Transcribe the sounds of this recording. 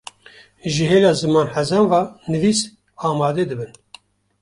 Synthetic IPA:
ʒɨɦeːlɑːzɨmɑːnħæzɛnvɑːnɨviːs | ɑːmɑːd̪ɛd̪ɨbɨn

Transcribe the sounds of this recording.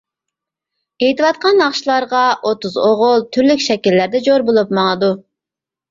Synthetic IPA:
ejt̪ɨwɑt̪̚qɑnɑχʃlˠɑɾʁɑʔot̪uzoʁʊlˠt̪ʰyɾlykʲʃɛkʲilːæɾd̪ɛd͡ʒoɾbolˠupmɑŋˠɨd̪u

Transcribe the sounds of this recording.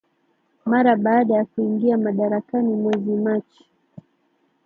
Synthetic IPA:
maɾaɓaːɗajakuiŋɡiamaɗaɾakanimwɛzimat͡ʃi̥

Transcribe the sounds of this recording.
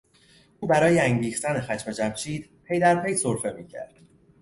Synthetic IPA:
ʔuːbæɾɒːjeæŋɟiːxt̪ænexæʃmed͡ʒæmʃʰiːd̪̥pʰe̞jd̪æɾpʰe̞jsoɾfe̞miːcʰæ̰ɾd̪̥

